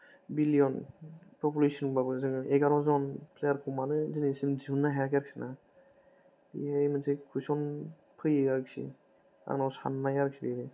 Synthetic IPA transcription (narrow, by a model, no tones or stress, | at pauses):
bilijɔnpʰɔpulesɔnbabɯzɯŋɯeɡaɾɔzɯɔnpʰlejaɾkʰumanɯzinisimd͡ʒiunːaɦaakaɾksina | dḭajmɯzʰekʰusɔn | pʰɯjeɡaɾksḭ | a̰ŋnawsa̰nːajaɾksʰibeɾɯ